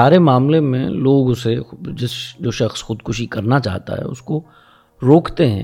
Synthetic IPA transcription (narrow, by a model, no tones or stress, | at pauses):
aːɾemaːmlemḛ̃loːɡʊsed͡ʒɪsd͡ʒoːʃɐxsxʊd̪kʊʃikɐɾnat͡ʃa̰ːɦt̪a̰ɦɛ̰ːʊ̰sko | ɾoːkʰt̪eɦɛ̃